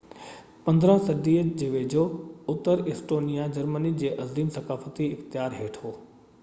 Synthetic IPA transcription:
pɐ̃nd̪ɾə̃sɐɖiːəd͡ʑeːʋeːd͡ʑʱoʊt̪ːəɾɪsʈoːnijad͡ʑɐɾmənid͡ʑeːʔɐziːmsɐkaːfət̪iɪxt̪ɪjaːɾɦeːʈʰɦoː

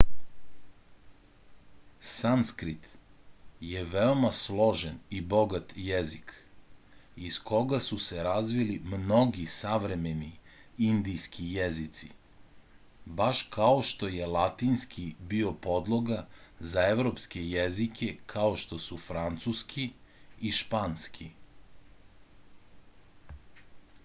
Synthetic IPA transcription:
sanskɾit̪ | je̞ʋeo̞maslˠo̞ʒenibo̞ɡat̪jezik | iskʰo̞ɡasuseɾazʋilimno̞ɡisaʋɾe̞meniind̪ijskʰijezit̪si | baʃkaoʃt̪o̞jelˠat̪inskʰibio̞po̞d̪lˠoɡazaeʋɾo̞pskejezike̞kʰaoʃt̪o̞sufɾant̪suskʰiiʃpanskʰi

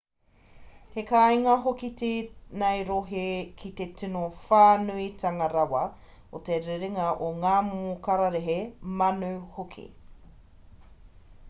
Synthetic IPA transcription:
hekajŋɐɦokitinɐjɾoɦekʰit̪etʰinofaːnuit̪ʰɐŋɐɾɐwɐ | ot̪eɾeɾeŋɐʔoŋaːmokaɾaɾeɦemɐnuhokʰḭ

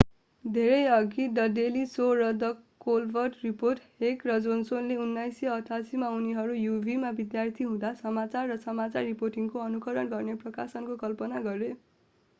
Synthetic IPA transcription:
d̪ʱeɾʌjʌɡidʌd̪elisorʌd̪ʌkolbʱʌrʈriporʈɦekrʌd͡zonsonleunːajseʌʈʰasimauniɦʌɾujubʱimabid̪jart̪ʰiɦũd̪asʌmat͡sarːʌsʌmat͡sarːiporʈiŋkoʌnukʌɾʌnɡʌrneprʌkasʌnkokʌlpʌnaɡʌɾe

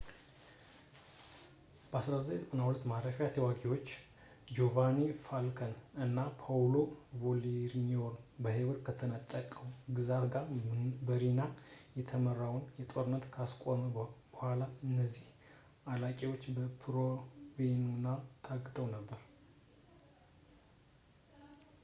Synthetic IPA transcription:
b̥əasɾazajzɨkʼənahwulət̪ːmaɾəfɛjat̪ʰəwaɡiwo̞t͡ʃː | d͡ʒo̞vanefalkʰənɨnːapʰawlovoliɾɲoɾbəɦiwɔt̪kʰət̪ʰənət̪ʼːəkʼəwɡɨzaɾɡabəɾinajɛt̪ʰəmərawnjɛt̪ʼo̞ɾɨnːət̪kʰaskʷʼomb̥əhʷalaɨnːəzːih | alakʼewot͡ʃːbəpʰɾovenunːat̪ʰaɡɨt̪ʰəwnəbːəɾ

